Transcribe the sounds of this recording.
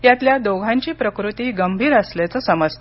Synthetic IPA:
jat̪ljad̪oɡʱãɲt͡ɕiːpɾəkɾut̪iːɡəmbʱiːɾəsljat͡səːsəməd͡z

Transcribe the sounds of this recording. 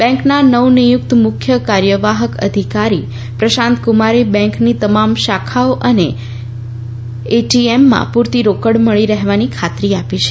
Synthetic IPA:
bɛ̃ŋknanəwnijʊk̚t̪mʊkʰjəkaɾjəʋaɦəkə̰d̪ʱikaɾi | pɾəʃãnt̪kumaɾebɛ̃ŋknit̪əmamʃakʰaoʔəne | eʈiemːã̰puɾt̪iɾokəɽməɭiɾəɦeʋanikʰat̪ɾiapit͡ʃʰe̥

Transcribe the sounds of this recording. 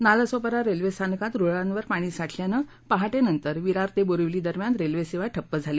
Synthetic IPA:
naləsopəɾaɾelʋest̪ʰankat̪ɾoɭãnʋəɾpaɽ̃iːsaʈʰljanə | paɦaʈenənt̪əɾʋiɾaɾt̪eboɾəʋliːd̪əɾmjanɾelʋeseʋaʈʰəpːəd͡zʱale

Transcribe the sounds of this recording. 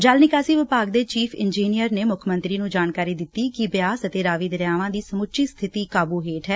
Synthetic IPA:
d͡ʒaːlnɪkaːsiːʋɪpaːɡd̪eːt͡ʃiːpʰɪ̰nd͡ʒiːnijəɾneːmʊkʰmə̃nt̪ɾiːnũːd͡ʒaːnkaːɾiːd̪ɪt̪ːiːkɪbjaːsət̪eːɾaːʋiːd̪əɾjaːʋãːd̪iːsəmʊʃiːst̪ʰɪt̪iːkaːbuːɦeːʈɦɛː

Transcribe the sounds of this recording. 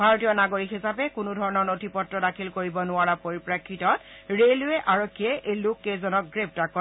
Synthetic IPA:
bʱaɹotijɔnaɡoɹikɦisapɛkʊnʊdʱɔɹɔnɔɹnotʰipɔtːɹɔdakʰilkoɹibɔnʊaɹapoɹipɹakʰːitɔtɹelʊɛʔaɹokʰːiɛʔejlukːezɔnɔk̚ɡɹep̚takɔ

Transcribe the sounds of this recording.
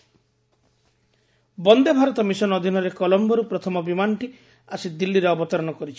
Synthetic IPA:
bɔnd̪ebʱaɾɔt̪ɔmisɔnɔd̪ʱinɔɾekɔlɔmbɔɾupɾɔt̪ʰɔmɔbimanɔʈi | asid̪ilːiɾeɔbɔt̪ɔɾɔɽ̃ɔkɔɾit͡ʃʰi̥

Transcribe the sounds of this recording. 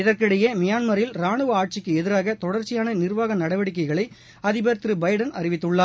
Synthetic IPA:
ɪðɐrkɪɽɐjɐmɪjaːnmɐɾɪlɾaːɳɯʋɐaːʈ̚t͡ʃɪkːɯɛðɪɾaːɣɐt̪ɔɽɐɾt͡ʃːɪjaːnɐnɪrʋaːɣɐnɐɽɐʋɐɽɪk̬ːɐɪɣɐɭɐɪ | ɐðɪbɐɾt̪ɾɯbɐɪɽɐnɐrɪʋɪt̪ːɯɭːaː

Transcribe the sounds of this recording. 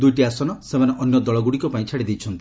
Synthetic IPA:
d̪ujʈiasɔnɔsemaneʔɔnjɔd̪ɔɭɔɡuɽikɔpaĩt͡ʃʰaɽid̪ejt͡ʃʰɔnt̪i

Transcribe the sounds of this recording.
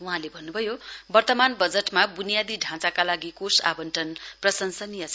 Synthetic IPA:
uɦãlebʱʌnːubʱʌjobʌrt̪ʌmanbʌd͡zeʈmabunijad̪iɖʱãt͡sakalaɡikosa̰bʌnʈʌnprʌsʌnsʌnijʌt͡sʰ

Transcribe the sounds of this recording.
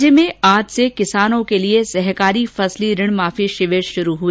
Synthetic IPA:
əmẽaːd͡ʒsekɪsaːnõkeliesɛɦkaːɾifɐsliɾɪɽ̃maːfiʃɪʋeːʃʃʊɾuɦu

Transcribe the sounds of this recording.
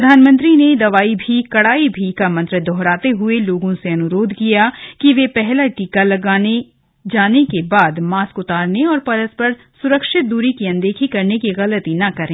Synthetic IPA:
ɐd̪ʱaːnmə̃nt̪̬ɾined̪ɐʋaːibʱikɐɽaːibʱikamɐ̃nt̪ɾəd̪ʱɔɦɾaːt̪eɦʊeloːɡõseɐnʊɾoːd̪ʱkijakiʋepɛɦlaʈikalɐɡaːne | d͡ʒaːnekebaːd̪maːskʊt̪aːɾneɔːɾpɐɾəspɐɾ | sʊɾəkʃɪt̪̚d̪uːɾikiɐ̃nd̪eːkʰikɐɾnekiɣɐlət̪inɐkɐɾẽː

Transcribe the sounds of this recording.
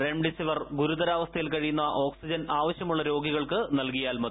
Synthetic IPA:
reɳɖisiʋɐrɡuɾud̪ɐɾaːʋɐst̪ʰɐjilkɐɻijunːuaːʔo̞ːksid͡ʑɐnaːʋɐɕjɐmuɭːɐɾo̞ːɡiɣɐɭkɨnɐlkijaːlmɐ

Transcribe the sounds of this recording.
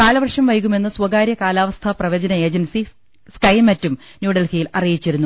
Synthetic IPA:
kaːlɐʋɐrʂɐmʋɐjɣume̞nːɨswɐɡaːɾjɐkaːlaːʋɐst̪ʰɐprɐʋɐd͡ʑɐnɐe̞ːd͡ʑɐnsi | skɐjmɐtːumnjuːɖɐlkijilɐrijit͡ɕːiɾunːu

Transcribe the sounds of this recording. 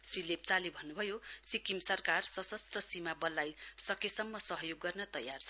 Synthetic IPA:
srilep̚t͡salibʱʌnːubʱʌjosikimsʌrkarsʌsʌst̪rʌsimabʌlːajsʌkesʌmːʌsʌɦjoɡːʌrnʌt̪ʌjart͡sʰʌ

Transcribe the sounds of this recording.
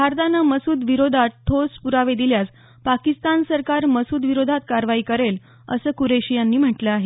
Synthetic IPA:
bʱaɾt̪anəməsuːd̪ʋiɾod̪ʱatt̪ʰːospuɾaʋed̪iljat͡s | pakist̪ansəɾkaɾməsuːd̪ʋiɾod̪ʱat̪̚kaɾʋaiːkəɾel | ə̰səːkuɾeɕijanːiːm̤əʈləaɦe

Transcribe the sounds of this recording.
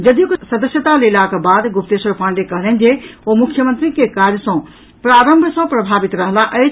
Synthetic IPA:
d͡ʒəd̪ijuksəd̪əsjət̪alelakbad̪ɡupt̪esəɾpãɳɖekəɦlənd͡ʒeomukʰjəmənt̪ɾikekaɾjəsɔ̃ | pɾaɾəmbʱsʌ̃pɾəbʱabit̪ɾəɦlaʔət͡ʃʰ

